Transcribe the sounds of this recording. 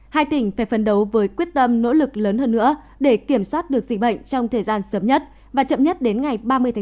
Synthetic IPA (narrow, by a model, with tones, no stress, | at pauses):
haː˧jt̪ï˧˩ŋ̟faː˧˩jfə˨˦nɗə˨˦wvəː˨˦jkwi˦˥ət̚t̪ə˧mno̰˧˥lɨ˨˩k̚ləː˨˦nhəː˧nːɨ̰˧˥ə | ɗe˧˩ki˧˩əmswaː˦˥t̚ɗɨ˨˩ək̚zḭ˧˨˩ɓə̰˧˨jŋ̟t͡ɕɔ˧wŋ͡mt̪ʰəː˨˩jzaː˧nsəː˨˦mɲə˦˥t̚ | vaː˨˩t͡ɕə̰˧˨mɲə˦˥t̚ɗe˨˦nŋa˨˩jɓaː˧mɨ˧əjt̪ʰː